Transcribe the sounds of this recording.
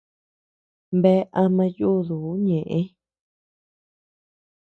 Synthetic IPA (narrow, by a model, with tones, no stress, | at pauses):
mbe˦ʔa˧mã˧ju˦˨ðu˨˦ɲẽ˨ʔẽ˦